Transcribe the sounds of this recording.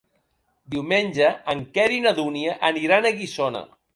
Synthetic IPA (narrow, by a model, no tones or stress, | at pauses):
d̪iwmenʲʒəəŋkɛɾinəðuniəʔəniɾanəɣisonə̰